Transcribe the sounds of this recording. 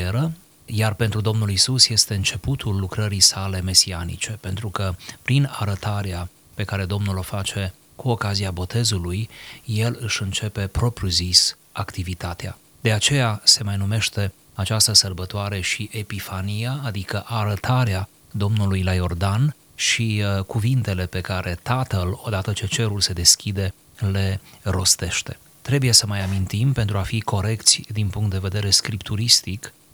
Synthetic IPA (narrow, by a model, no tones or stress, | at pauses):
eɾə | jarpe̞nt̪ɾud̪o̞mnulisusje̞st̪e̞ɨnt͡ʃe̞put̪ʰulːukɾəɾisale̞me̞sianḭt͡ʃe̞pe̞nt̪ɾukəpɾina̰ɾət̪ʰaɾea | pe̞kaɾe̞d̪o̞mnulo̞fat͡ʃe̞ | kuo̞kaziabo̞t̪e̞zulujːe̞lɨʃɨnt͡ʃe̞pe̞pɾo̞pɾʲuzis | akt̪ivit̪at̪ea̰ | d̪̥e̞at͡ʃe̞jase̞majnume̞ʃt̪e̞ | at͡ʃast̪əsərbət̪oaɾe̞ʃiʔe̞pifanijaːd̪ikəʔaɾət̪ʰaɾea | d̪o̞mnulujlajo̞rd̪an | ʃikuvint̪e̞le̞pe̞kaɾʔe̞t̪at̪əlo̞d̪at̪ət͡ʃe̞t͡ʃe̞ɾulse̞d̪e̞skʲʰid̪e̞ | le̞ɾo̞st̪e̞ʃt̪e̞ | t̪ɾe̞buje̞səmajamint̪impe̞nt̪ɾuafikʰo̞ɾe̞kt̪sʲd̪inpuŋkt̪̚d̪e̞ve̞d̪e̞ɾe̞skɾipt̪ʰuɾist̪ik